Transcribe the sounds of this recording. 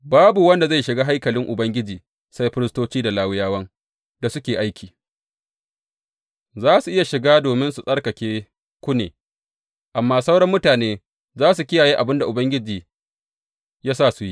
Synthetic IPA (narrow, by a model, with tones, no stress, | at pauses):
baː˦bu˨wɐ˦nda˨za˦˨jʃɪ˨ɡaː˦ɦa˦jkɐ˨lɪ˦ŋʔʊ˨bɐ˦ŋɡʲɪ˦d͡ʒiː˨ | sa˦jɸɪ˦ɾɪ˦stoː˦t͡ʃiː˦da˨laː˦wɪ˦jaː˦wɐ˦ŋ | da˨sʊ˦kʲeː˨ʔa˦jkʲʰiː˨ | zaː˦su˨ʔɪ˦ja˨ʃɪ˨ɡaː˦doː˨mɪ˦nsu˨sʼɐ˦ɽkɐ˨kʲeː˦ | kʷʊ˦nḛː˨ | ʔa˨mːaː˦sa˦wɽɐ˦mːʊ˦taː˨neː˦ | zaː˦s̬u˨kʲɪ˦jaː˨jeː˦ʔa˨bɪ˦nda˨ʔʊ˨bɐ˦ŋɡʲɪ˦d͡ʒiː˨ | jaː˦saː˦˨su˨ji˦